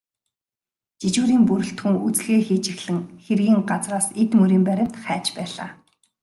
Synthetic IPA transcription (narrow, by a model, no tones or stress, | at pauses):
t͡ɕit͡ɕuːɾiːmpɵɾɵ̆ɬt̪xɵ̆ŋut͡sɮeːxiːt͡ɕɪ̆xɮɘ̆ŋxerɣiːŋɢat͡sraːset̪mɵɾiːmpæɾʲɪ̆m̥t̪χæːt͡ɕpæːɮa̰ː